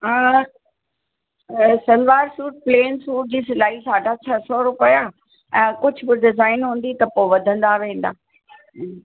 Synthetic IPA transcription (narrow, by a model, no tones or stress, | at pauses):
ɦaː | sɐlʋaːɾsuːʈ̚pleːnsuːʈ̚d͡ʑiːsɪlaːɦisaːɖʱat͡ɕʰɐsɔɾʊpəja | ɛ̃ːkʊd͡ʑʱʊbɪɖɪzaːɪnɦũːn̆d̪it̪ɐpoːʋɐd̪ʱə̃nd̪aʋẽːn̆d̪aː